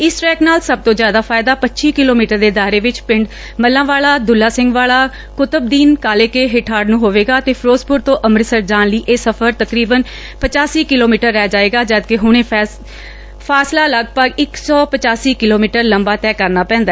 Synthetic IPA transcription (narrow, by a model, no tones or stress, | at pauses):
ɪsʈɛːknaːlsəb̚t̪õːzjaːd̪aːpʰaːɪd̪aːpətːʃiːkɪloːmiːʈəɾd̪eːd̪aːɾeːʋɪt͡ʃpɪɳɖ | məlːãːʋaːlaːd̪ʊlːaːsɪ̃ŋɡʋaːɭaː | kʊt̪əbd̪iːnkaːleːkeːɦɪʈʰaːɖnũːɦoːʋeːɡaːət̪eːpʰɾoːspʊɾt̪õːʔəmɾsəɾd͡ʒaːnləiːʔeːsəpʰəɾt̪əkɾiːbən | pət͡ʃaːsiːkɪloːmiːʈəɾːɛːd͡ʒaːeːɡaːd͡ʒaːd̪kɪɦʊɽ̃ẽː | pʰaːslaːləɡpəɡɪksɔːpət͡ʃaːsiːkɪloːmiːʈəɾləmbaːt̪ɛːkəɾnaːpɛ̃ːnd̪aː